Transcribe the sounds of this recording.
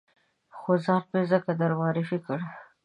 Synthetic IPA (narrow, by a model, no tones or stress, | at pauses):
xozɑɾpezəkad̪aɾwɑɾifikəɽ